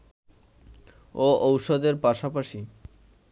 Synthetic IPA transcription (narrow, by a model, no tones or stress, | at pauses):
oowʃod̪eɾpaʃapaʃi